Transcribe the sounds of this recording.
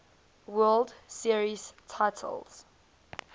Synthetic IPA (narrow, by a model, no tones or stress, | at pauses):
wɜldsiɹiz̥tʰaɪtʰə̰lˠz̥